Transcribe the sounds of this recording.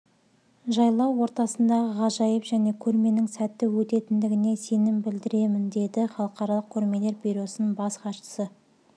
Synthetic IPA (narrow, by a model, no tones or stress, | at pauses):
ʒɑjlˠɑwːo̞ɾt̪ɑsənd̪ɑʁəʁɑʒɑjəpʒæne̞kʲʰɵɾme̞nɪŋsæt̪ːɪwɵt̪e̞t̪ɪnd̪ɪɡʲɪne̞se̞nɪmbɪld̪ɪɾe̞mɪnd̪e̞d̪ɪχɑlˠəqɑɾɑlˠəq̚kʲʰɵɾme̞le̞ɾbiɾo̞sənəɴbɑsqɑʃə̥sə